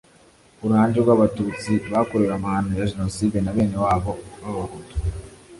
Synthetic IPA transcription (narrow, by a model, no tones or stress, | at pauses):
uɾuhaːɲd͡ʒeɾɡwaːβatuːt͡siβakoɾeɾamaːnujaʒenosidenaβe̞ːne̞waːβo̞βaβahuto̥